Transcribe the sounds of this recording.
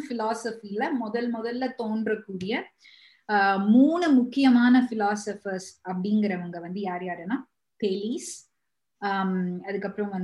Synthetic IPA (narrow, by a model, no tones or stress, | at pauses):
fɪlaːsɐfiɪlɐmɔðɐlmɔðɐlːɐt̪oːnɖrɐkːuːɽɪjɐ | muːɳɯmʊkːɪjɐmaːnɐfɪlaːsɐfɐɾsɐpːɐɽɪŋɡɪɾɐʋɐŋɡɐʋɐnd̪ɯjaːɾjaːɾɛnaː | pɛlis | ɐðɯkːɐpːɯɾɐ̃mʋɐn